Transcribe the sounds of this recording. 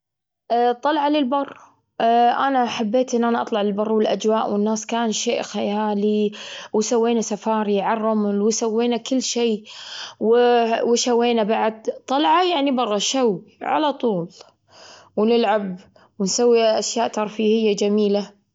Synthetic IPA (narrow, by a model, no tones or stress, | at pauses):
ʔt̪ˤːɑlʕalɪlbɑrˤː | ʔanaħabːeːt̪ʔɪnːʔanaʔɑt̪ˤlɑʕlɪlbɑrˤːwɪlʔad͡ʒwaːʔwɪnːaːskaːnʃeːʔxajaaːliwsawːeːnasafɑːɾˤiʕarˤːɑmʊlwɪsawːeːnakɪlːʃeːwɪwʃawːeːnabaʕd̪t̪ˤːɑlʕajaʕnibɑrˤːɑʃawʕa̰lat̪ˤuːl | wnɪlʕab | wɪnsawːiʔaʃjaːʔt̪ɑɾˤfiːhɪjːad͡ʒamiːla